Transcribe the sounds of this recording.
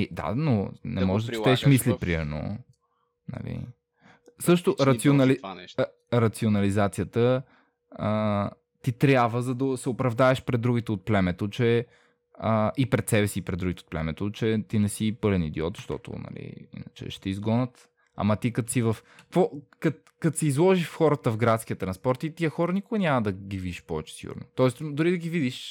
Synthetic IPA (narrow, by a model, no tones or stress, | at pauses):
id̪a̰nonɛmɔʒd̪ɐt̪ɛʃmislipɾimɛɾno̰ | nɐ̰lḭ | sɤʃt̪ʊɾɐt̪sionɐli | ɾɐt̪sionɐlizat̪sijət̪ə | ə | t̪it̪ɾʲjabvəzɐd̪ɐsɛopɾɐvd̪aɛʃpɾɛd̪d̪ːɾuɡit̪ɛot̪̚plɛmɛt̪ot͡ʃɛ | əʔipɾɛt̪sɛbɛsiːpɾɛd̪d̪ɾuɡit̪ɛot̪plɛ̰mɛt̪ot͡ʃɛt̪inɛsipɤlɛnid̪ɛɔt̪ʃt̪ɔ̰t̪ʊ̰nɐ̰lḭḭnət͡ʃɛ̰ʃt̪ɛizɡɔnət̪ | a̰mɐt̪ikɐt̪sivɐfkkvɔkɐ | kɐt̪sɛizlˠɔʒifxɔɾət̪əvɡɾat̪sk̟ijət̪ɾɐnspɔɾt̪it̪iəxɔɾənikʊɡɐnʲamɐd̪ɐɡʲivid̪iʃpɔvɛt͡ʃɛ̥sḭɡṵɾno̰t̪ɔɛsd̪ʊɾid̪ɐɡivid̪iʃ